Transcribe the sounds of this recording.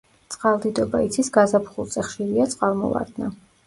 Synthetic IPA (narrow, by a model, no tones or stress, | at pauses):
t̪sʼqʼalˠd̪id̪ɔbait̪sʰisɡazapʰχulˠt̪sʼɛχʃiɾiat̪sʼqʼalˠmɔ̰lˠa̰ɾd̪̥na